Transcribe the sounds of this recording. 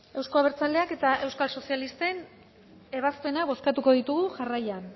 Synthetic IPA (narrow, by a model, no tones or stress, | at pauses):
e̞wsko̞aβ̞eɾt͡sald̪e̞ake̞t̪aʔe̞wskalso̞sialist̪e̞n | e̞βaspe̞naβo̞skat̪uko̞ðit̪uɣuʝarajan